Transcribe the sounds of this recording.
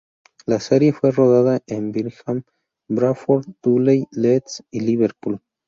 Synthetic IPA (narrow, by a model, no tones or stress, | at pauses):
laseɾjefweroðaðaʔembiɾxam | bɾafoɾt̪ulejlet̪siliβeɾpul